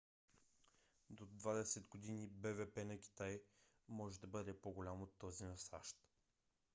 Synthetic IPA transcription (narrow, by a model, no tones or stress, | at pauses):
d̪od̪vad̪ɛsɛd̪ɡod̪inibɛvɛpɛnɐkʲi̥t̪aj | mɔʒɛd̪ɐbɤd̪ɛpoɡolʲamot̪ːɔzinɐsa̰ʃt̪